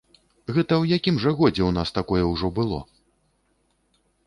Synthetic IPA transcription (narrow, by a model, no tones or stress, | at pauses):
ɣɛt̪ɐwjakʲimʐɐɣɔd͡zʲɛwnast̪akɔjɛwʐɔbɨlˠɔ̰